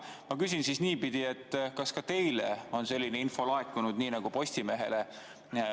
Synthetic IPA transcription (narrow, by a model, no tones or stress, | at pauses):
mɑkys̬ʲinsisniːpid̪̥ie̞t̪ˑːkɑskɑt̪e̞jleo̞nse̞lʲːine̞info̞lɑekːˑunud̪̥niːnɑɡ̥upo̞sʲt̪ime̞ɦe̞̰le